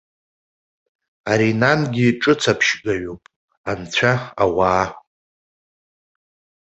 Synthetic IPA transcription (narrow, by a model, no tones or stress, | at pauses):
aɾinanɡʲiʈ͡ʂʼɨt͡sʰapʰʃɡʲʼaɥopʼ | ant͡ɕʷʰaawaː